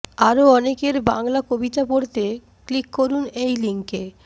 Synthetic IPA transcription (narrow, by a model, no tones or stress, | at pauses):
aɾoɔnekeɾbaŋlakobit̪apoɾt̪e | klikːoɾunejliŋke